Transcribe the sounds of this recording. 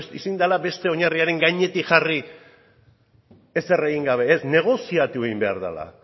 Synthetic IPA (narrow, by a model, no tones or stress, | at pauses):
isind̪alabe̞st̪e̞o̞ɲariaɾe̞ŋɡaɲe̞t̪ikxari | ese̞re̞ɣiŋɡaβ̞e̞ːsne̞ɣ̞o̞siat̪ueɣimbe̞a̰ɾða̰la̰